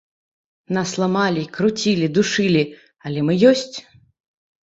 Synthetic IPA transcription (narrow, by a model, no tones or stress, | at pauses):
naslˠamalʲikɾut͡sʲilʲid̪uʂɨlʲi | ɐlʲɛmɨjɔsʲt͡sʲ